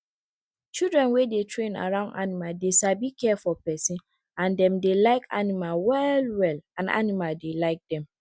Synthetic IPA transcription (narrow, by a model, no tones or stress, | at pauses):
t͡ʃildɹɛ̃nwedetʰɹẽna̰ɹãʊ̃nda̰nimaldesabikɛfɔpɛsĩn | ãndɛ̃mdelaɪka̰nimawɛlwɛlãna̰nimaldelaɪk̚dɛ̃m